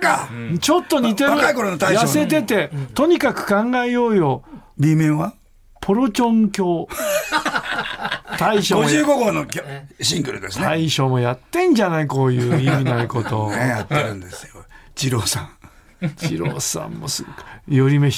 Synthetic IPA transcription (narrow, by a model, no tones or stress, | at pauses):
kat͡ɕo̞t̪ːo̞ɲit̪eaɯkaikoɾonot̪aijase̞t̪e̞t̪e̞t̪o̞ɲ̟ikakɯ̟̥kãŋɡaejo̞ːjo̞bʲimẽɰ̃βa | pʰo̞ɾo̞t͡ɕõ̞ŋkʲo̞ː | t̪aiɕooɨːɡoɡonokʲoɕĩŋɡɯɾɯt̪d̪esneaiɕo̞ːmo̞jat̪ːẽ̞ɲ̟d͡ʑanaiko̞ːjɯːiminaiko̞t̪o̞nejat̪ːeɾɯ̟̃nd̪esɨjot͡ɕiɾoːsã | t͡ɕḭɾo̞̰ːsã̰mːosɨjo̞ɾʲime